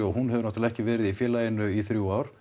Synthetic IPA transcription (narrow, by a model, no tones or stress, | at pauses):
ɔhunɦɛvɪɾnɔht̪ɪlɛhcɪvɛːɾɪðifjɛːlajɪnʏiθɾjuwaːwɾ̥